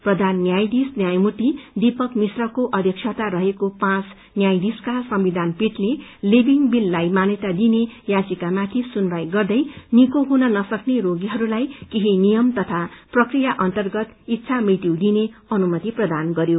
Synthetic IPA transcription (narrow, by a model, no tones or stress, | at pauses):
prʌd̪ʱanːjajd̪isnjajmut̪id̪ipʌkmisrʌkoʔʌd̪ʱjʌk̚t͡ʃʰat̪aɾʌɦekopãt͡s | njajd̪iskasʌmbid̪ʱanpiʈlelibiŋbilːajmanet̪ad̪inejãt͡sikamat̪ʰisunrajɡʌrd̪ʌjnikoɦunʌnʌsʌkneɾoɡiɦʌɾulajkiɦinijʌmt̪ʌt̪ʰaprʌkrijaʔʌnt̪ʌrɡʌt̪it̪ːsʰamrit̪iwd̪ineʌnumʌt̪iprʌd̪anɡʌɾjo